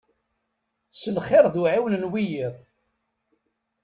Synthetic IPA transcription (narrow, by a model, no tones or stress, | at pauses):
səlχɪɾˤðuʕiwənnwijiðˤ